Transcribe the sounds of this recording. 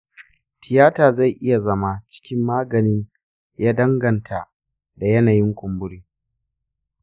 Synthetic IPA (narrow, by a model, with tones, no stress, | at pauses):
tʰɪ˨jaː˦taː˨za˦˨jʔɪ˦ja˨zɐ˦ma˦t͡ʃɪ̥˦kʲɪ˦mːaː˦ɡɐ˨nɪ˦ɲ | jaː˦dɐ˦ŋɡɐ˨ntʰa˨ | da˨jɐ˦naː˨jɪ˦ŋkʷʊ˨mbʊ˦ɽiː˦